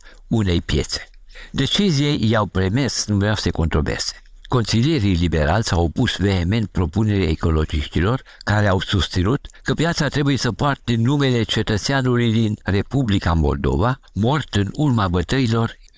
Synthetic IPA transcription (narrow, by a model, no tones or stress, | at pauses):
une̞jpje̞̰t̪se̥ | d̪e̞t͡ʃizijejawpɾeme̞snuvɾeawsəeko̞nt̪ɾo̞bḛse̥ | ko̞nsilije̞ɾilibe̞ɾa̰lsʲawpusve̞eme̞nt̪̚pɾo̞pune̞ɾaeko̞lo̞d͡ʒiʃt̪ilo̞r | kaɾeawsust̪sinut̪kəpjat̪sat̪ɾe̞buje̞səpoart̪enume̞le̞t͡ʃe̞t̪ət̪seanulujd̪inre̞publikamo̞̰ld̪o̞̰va | mo̞rt̪ɨnurmabət̪əilo̞r